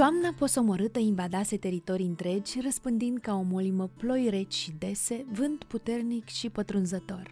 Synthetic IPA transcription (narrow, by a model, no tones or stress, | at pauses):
oamnapo̞so̞mo̞ɾɨt̪əiɱvad̪ase̞t̪e̞ɾit̪o̞ɾiɨnt̪ɾe̞d͡ʒʲrəspɨnd̪ind̪̚kao̞mo̞liməplo̞jre̞t͡ʃʲʃid̪e̞se̞vɨnt̪put̪e̞rnikʃipət̪ɾunzət̪o̞r